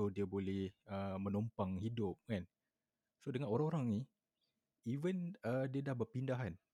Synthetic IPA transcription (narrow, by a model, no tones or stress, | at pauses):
odiəbolɛhəmə̃nɔmpaŋhidʊp̚kan | sodəŋanoɾaŋoɾaŋni | ivənədiədahbəpindaɦan